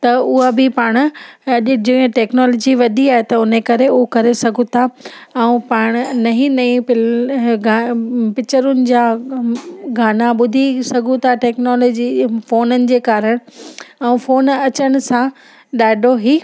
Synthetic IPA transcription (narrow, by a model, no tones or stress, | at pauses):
t̪ɐʊɦabɪpaːɽ̃ʊ̆ | d͡ʑɪẽʈɛːknɔːlɔːd͡ʑiʋɐd̪ʱiaːɦet̪ɐʊnekɐɾeʊɦokɐɾesɐɡʱũt̪ʰaɛ̃ũpaːɽ̃nɐɦĩnɐĩpɪɡpɪt͡ɕəɾʊnɪ̆d͡ʑaː | ɡʱaːnaɓʊd̪ʱisɐɡʱũt̪ʰaʈɛːknɔːloːd͡ʑifoːnənɪ̆d͡ʑeːkaːɾəɽ̃ɛ̃ũfoːnɐt͡ɕəɽ̃ʊ̆sã | ɗaːɗʱoɦiː